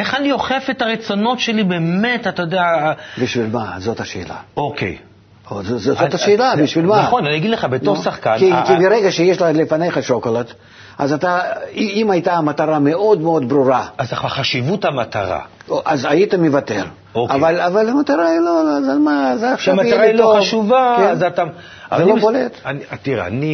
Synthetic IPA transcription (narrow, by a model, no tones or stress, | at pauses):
eχanioχefet̪aʁet͡sono̞t̪ʃelibeːmet̪at̪ajod̪eabʲiʃvʲilʲmazot̪ɐʃḛːla̰okʰḛj | ozozozot̪ɐʃeːlabʲiʃvʲilʲmaaχonaniaɡid̪leχabet̪osaχkanikʲibɪɾeɡɐʃejeʃlalʲɪfane̞jχɐʃokolˠat̪ | a̰zat̪aiimajt̪aːmɐt̪aɾameo̞d̪meo̞d̪bɾuɾaazaχaχaʃivut̪hamat̪aʁa̰oʔazajit̪ɐmʲɪvat̪er | oavalʲavalamɐt̪aɾailolzamazaʃamaiʁaiilooaʃuvazat̪a | aelobolet̪anat̪iʁḛa̰ni